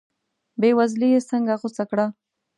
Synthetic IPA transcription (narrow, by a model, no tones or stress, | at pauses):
bewazlijesəŋɡaɣʊsakɽa